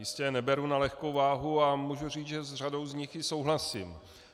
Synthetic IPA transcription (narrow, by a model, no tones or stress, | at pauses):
jɪscɛnɛbɛɾunalɛxkowvaːɦuamuːʒur̝iːt͡sʒɛzr̝adowzɲɪxjɪsowɦlasim